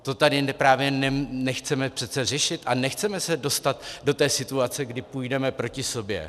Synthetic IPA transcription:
t̪o̞t̪adɪnɛpɾaːvjɛnɛnɛxt͡sɛmɛpr̥ɛt̪t͡sɛrɛʃɪt̪ʔanɛxt͡sɛmɛsɛdo̞st̪at̪do̞t̪ɛːsɪt̪uat͡sɛɡdɪpujdɛmɛpɾo̞cɪso̞bjɛ̰

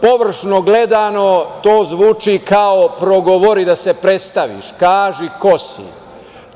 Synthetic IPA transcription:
po̞ʋr̩ʃnoɡle̞d̪ano̞t̪oːzʋuːt͡ʃikaopɾoɡoʋo̞ɾid̪asepɾe̞t̪st̪aʋḭʃkaːʒiko̞sḭ

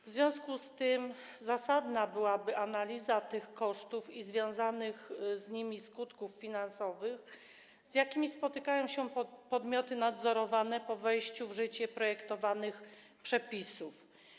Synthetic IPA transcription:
vzvʲjɔ̃skust̪ɘm | zasad̪nabɘwabɘʔanalʲizat̪ɘxkɔʂt̪ufizvʲjɔ̃w̃zanɘxzɲimʲiskut̪kuffʲinansɔvɘx | z̥jakʲimʲispɔt̪ɘkajɔ̃w̃ɕɛpɔd̪mʲjɔt̪ɘnad̪zɔɾɔvanɛpɔvɛjɕt͡ɕuvʐɘt͡ɕɛpɾɔjɛkt̪ɔvanɘx | pʂɛpʲisuf

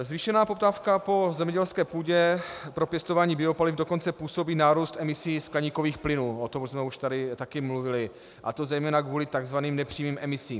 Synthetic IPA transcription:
zviʃɛnaːpo̞p̚t̪aːfkapo̞zɛmɲɛɟɛlskɛːpuːɟɛpɾo̞pjɛst̪o̞vaːɲiːbɪopalɪfdoko̞nt͡sɛpuːso̞biːnaːɾuːst̪ʔɛmɪsiːsklɛɲiːko̞viːxplɪnuːʔot̪o̞msmɛuʃt̪adɪt̪akɪmluvɪlɪ | ʔa̰t̪o̞zɛjmɛːnakvuːlɪt̪aɡzvaniːmnɛpr̝̥iːmiːmʔɛmɪsiːm

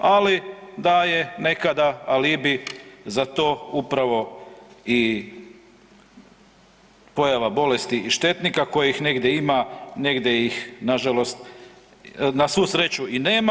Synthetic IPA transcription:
alid̪ajene̞kad̪aalibizat̪o̞ːupɾaʋo̞ | i | po̞jaʋabo̞le̞st̪iʔiʃt̪e̞t̪nikako̞jeixne̞ɡd̪jeimane̞ɡd̪jeixnaʒalo̞st̪ | nasʋusɾe̞t͡ɕuineːma

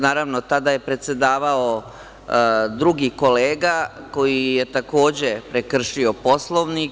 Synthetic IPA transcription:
naːɾaʋnot̪ad̪aje̞pɾe̞t̪se̞d̪aːʋao | d̪ɾuɡiko̞leːɡako̞jijet̪ako̞ːd͡ʑe̞pɾekr̩ʃio̞po̞slˠo̞ʋnik

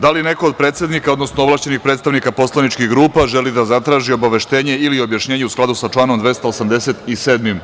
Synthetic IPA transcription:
d̪aline̞ko̞od̪̚pɾe̞ːt̪se̞d̪nikaod̪no̞snooʋlˠaʃt͡ɕe̞nixpɾet̪st̪aʋnikapo̞slˠanit͡ʃkiɣɡɾuːpaʒe̞lid̪azat̪ɾaːʒio̞baʋe̞ʃt̪e̞ːɲe̞ilio̞bjaʃɲeːɲeusklˠad̪usat͡ʃlˠaːno̞md̪ʋe̞st̪aosamd̪ese̞t̪ise̞ːd̪mim

